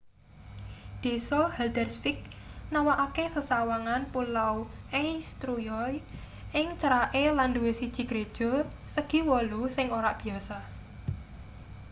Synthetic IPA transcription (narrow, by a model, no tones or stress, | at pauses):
d̪̥e̤sɔhɛld̪ərsfɪk̚nawaʔakesəsawaŋanpulawʔest̪ɾujɔj | ʔɪŋt͡ʃəɾaʔelanduwesid̥ʒ̥i̤ɡ̥ɾed̥ʒ̥ɔ̤ | səɡ̥i̤wɔlosɪŋoɾaʔb̥i̤asa